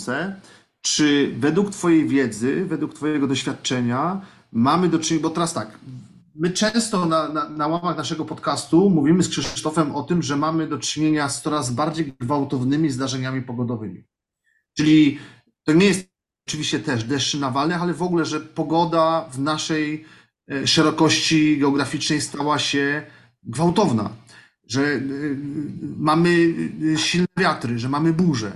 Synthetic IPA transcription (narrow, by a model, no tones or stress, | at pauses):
sɛ | t͡ʂɘvɛd̪wukt̪fɔjejvʲjɛd̪zɘvɛd̪wukt̪fɔjɛɡɔd̪ɔɕfʲat̪̚t͡ʂɛɲa | mamɘd̪ɔt͡ʂɲbɔt̪ɛɾast̪ak | mɘt͡ʂɛ̃st̪ɔnananawamaxnaʂɛɡɔpɔt̪kast̪umuvʲimɘskʂɘt̪ɔfɛmɔt̪ɘmʐɛmamɘd̪ɔt͡ʂɘɲeɲast̪sɔɾazbaɾd͡ʑejɡɡvawt̪ɔvnɘmʲizd̪aʐɛɲamʲipɔɡɔd̪ɔvɘmʲi | t͡ʂɘlʲi | t̪ɔɲɛjɛst̪ | ɔt͡ʂɘvʲiɕt͡ɕɛt̪ɛʐd̪ɛʂɘnavalnɛalɛvɔɡulɛʐɛpɔɡɔd̪avnaʂɛj | ʂɛɾɔkɔɕt͡ɕiɡɛɔɡɾafʲit͡ʂnɛjst̪awaɕɛ | ɡvawt̪ɔvna̰ | ʐɛ | mamɘɕilnɛvʲjat̪ɾɘʐɛmamɘbuʐɛ̰